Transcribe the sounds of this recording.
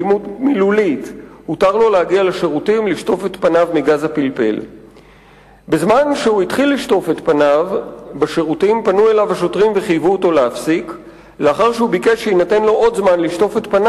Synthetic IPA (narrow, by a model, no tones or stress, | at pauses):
imutmilulithutaʁlo̞lehaɡialaʃe̞ʁutimliʃto̞fe̞tpanavmiɡazhapilpe̞̰l | bezmanʃehuit̪χilːiʃto̞fe̞t̪panavbaʃe̞ʁutimpanue̞lavhaʃo̞tʁimveχijvuoto̞leafsik | leaχaʁʃeubikeʃeinate̞nlo̞ʔo̞d̪zmanliʃto̞fetpana